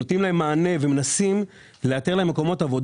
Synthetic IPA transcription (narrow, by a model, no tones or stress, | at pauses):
otimlaemːaːne̞vemenasim | leat̪eʁlaemeko̞mo̞tavo̞d